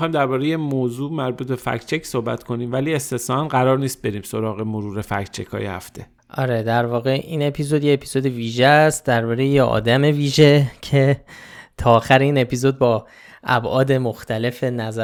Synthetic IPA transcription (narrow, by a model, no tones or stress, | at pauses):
xɒːjmd̪æɾbɒːɾejemoːzuːmæɾbuːt̪̚be̞fæ̰kʰt͡ʃʰeksohbæ̰t̪kʰo̞niːmvæliːest̪esɒænɢæɾɒːɾniːst̪̚be̞ɾiːmso̞ɾɒːɣe̞moɾuːɾe̞fæ̰ct͡ʃʰḛkʰɒ̰ːjḛhæ̰ft̪ʰe̞ | ʔɒɾe̞d̪æɾvɒːɣe̞ʔiːne̞pʰizo̞d̪jeepʰizo̞d̪eviːʒest̪̚d̪æɾbɒːɾejejeʔɒ̰ːd̪æme̞viːʒecʰe̞t̪ʰɒːxæɾeiːne̞pʰizo̞d̪̚bɒː | ʔæbʔɒːd̪e̞moxt̪ʰæle̞fe̞næzæ